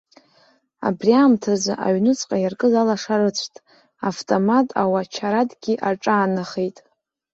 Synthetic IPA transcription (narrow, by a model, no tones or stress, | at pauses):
a̰briaːmtʰazɨʔa̰ɥnɨt͡sʼqʼajarkʼɨzalaʂaɾɨt͡ɕʷʰtʼ | aftʼomatʼawat͡ʃʰaɾadʼɡʲiʔaʈ͡ʂʼaːnaχejtʼ